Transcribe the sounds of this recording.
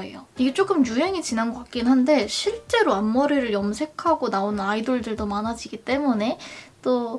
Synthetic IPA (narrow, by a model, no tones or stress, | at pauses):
ḛjoiɡe̞t͡ɕ͈ok͈ɯmjuɦe̞ŋid͡ʑinanɡʌk͈ak͈inɦande̞ɕʰiɭt͡ɕ͈e̞ɾoanmʌɾiɾɯɭjʌmsʰe̞kʰaɡonaonɯnaidoɭdɯɭdomanad͡ʑiɡit͈e̞mune̞t͈o